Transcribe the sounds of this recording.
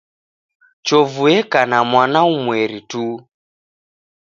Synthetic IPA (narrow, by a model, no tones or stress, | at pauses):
t͡ʃɔvuɛkanamwanaumwɛɾitu